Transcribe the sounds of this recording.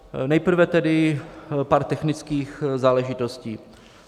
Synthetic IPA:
nɛjpr̩vɛt̪ɛdɪpaːɾt̪ɛxnɪt͡skiːxzaːlɛʒɪt̪osciː

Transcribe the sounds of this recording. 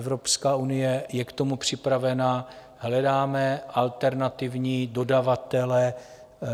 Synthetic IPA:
ɛvɾopskaːunɪjɛjɛkt̪omupr̝̥ɪpɾavɛna | ɦlɛdaːmɛʔalt̪ɛɾnat̪ɪvɲiːdodavat̪ɛlɛ

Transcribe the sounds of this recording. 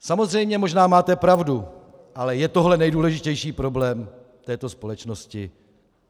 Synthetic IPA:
samo̞zrɛjmɲɛmo̞ʒnaːmaːt̪ɛpɾavdu | ʔalɛjɛt̪o̞ɦlɛnɛjduːlɛʒɪcɛjʃiːpɾo̞blɛːm | t̪ɛːt̪o̞spo̞lɛt͡ʃnoscɪ

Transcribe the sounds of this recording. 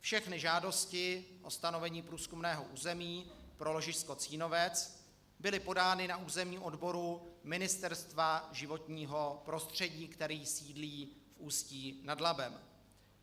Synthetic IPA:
fʃɛxnɪʒaːdo̞scɪʔo̞st̪ano̞vɛɲiːpɾuːskumnɛːɦo̞ʔuːzɛmiːpɾo̞lo̞ʒɪʃsko̞t͡siːno̞vɛt͡s | bɪlɪpo̞daːnɪnaʔuːzɛmɲiːʔo̞dbo̞ɾumɪnɪst̪ɛɾst̪vaʒɪvo̞t̪ɲiːɦo̞pɾo̞st̪r̝̥ɛɟiːkt̪ɛɾiːsiːdliːfʔuːsciːnadlabɛm

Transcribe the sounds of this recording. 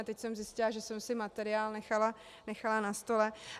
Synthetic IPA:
t̪ɛcsɛmzɪscɪlaʒɛsɛmsɪmat̪ɛɾɪaːlnɛxala | nɛxalanast̪o̞lɛ

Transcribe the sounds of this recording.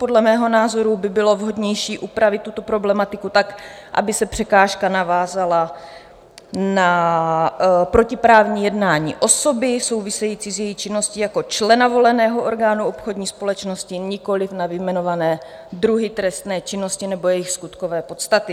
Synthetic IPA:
podlɛmɛːɦo̞naːzo̞ɾubɪbɪlo̞vɦo̞dɲɛjʃiːʔupɾavɪt̪ːut̪o̞pɾo̞blɛmat̪ɪkut̪ak | ʔa̰bɪsɛpr̥ɛkaːʃkanavaːzala | na | pɾo̞cɪpɾaːvɲiːjɛdnaːɲḭːʔo̞so̞bɪso̞wvɪsɛjiːt͡siːzjɛjixt͡ʃɪnːo̞scijako̞t͡ʃlɛnavo̞lɛnɛːɦo̞ʔo̞ɾɡaːnuʔo̞pxo̞dɲiːspo̞lɛt͡ʃno̞scɪɲɪko̞lɪfnavɪmɛno̞vanɛː | d̪ɾuɦɪt̪ɾɛst̪nɛːt͡ʃɪno̞scɪnɛbo̞jɛjɪxskut̪kovɛːpo̞t̪st̪at̪ɪ

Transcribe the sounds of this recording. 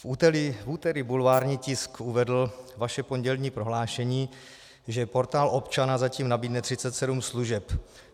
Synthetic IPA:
fut̪ɛlɪfuːt̪ɛɾɪbulvaːɾɲiːcɪskuvɛdl̩vaʃɛpo̞nɟɛlɲiːpɾo̞ɦlaːʃɛɲiː | ʒɛpo̞ɾt̪aːlʔopt͡ʃanazaciːmnabiːdnɛt̪r̥ɪt͡sɛt̪sɛdumsluʒɛp

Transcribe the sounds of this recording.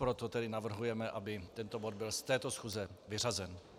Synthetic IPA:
pɾot̪ot̪ɛdɪnavr̩ɦujɛmɛʔabɪt̪ɛnt̪obod̪̚bɪlst̪ɛːt̪o̞sxuːzɛvɪr̝azɛn

